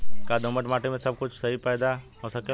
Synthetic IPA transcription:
kad̪ʱõməʈmaːʈimẽsəb̚kʊt͡ʃʰsɐɦipaːjd̪a | õsəke

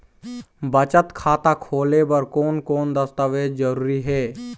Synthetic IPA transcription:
bət͡ʃət̪kʰaːt̪akʰoːlebəɾkoːnkoːnd̪əst̪əʋeːd͡ʒd͡ʒəɾuːɾiɦɛː

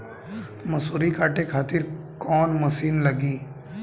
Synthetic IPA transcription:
mɐsuːɾikaːʈekʰaːt̪ɪɾ | kɔːnmɐsiːnlɐɡiː

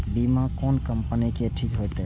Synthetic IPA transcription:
bimãkoːnkəmpənikeʈʰiːkɦojt̪e

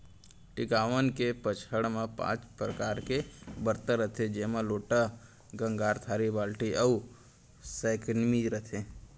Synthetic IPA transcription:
ʈɪkaːʋənkepət͡ʃʰəɽmãpã̰ːt͡ʃpɾəkaːɾkebəɾt̪əɾət̪ʰed͡ʒeːmãloːʈa | ɡə̃ŋɡaːɾt̪ʰaːɾibaːlʈiʔəu | saɪknmiɾət̪ʰẽ

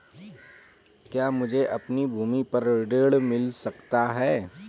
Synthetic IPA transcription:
kjaːmʊd͡ʒʱeʔɐpnibʱuːmipɐɾɖeːɽmɪlsɐkt̪aɦɛː

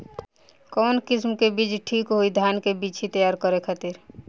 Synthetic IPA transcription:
kɔːnkɪsmkebiːt͡ʃʈʰiːkɦoid̪ʱjaːnkebiːt͡ʃit̪əjaːɾkəɾekʰaːt̪iɾ

